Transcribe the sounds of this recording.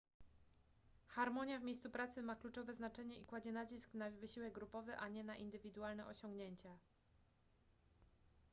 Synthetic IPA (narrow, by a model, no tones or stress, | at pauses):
xaɾmɔɲjavmʲejst̪supɾat̪sɘmaklut͡ʂɔvɛznat͡ʂɛɲɛikwad͡ʑɛnat͡ɕisknavɘɕiwɛɡ̚ɡɾupɔvɘʔaɲɛnaʔind̪ɘvʲid̪ualnɛʔɔɕɔŋɡɲeɲt͡ɕa